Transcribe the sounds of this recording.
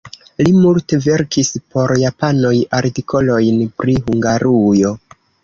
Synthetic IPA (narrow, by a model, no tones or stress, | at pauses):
limulte̞ve̞ɾkispo̞ɾjapano̞jaɾtikʰo̞lo̞jnpɾiɦuŋɡaɾujo̞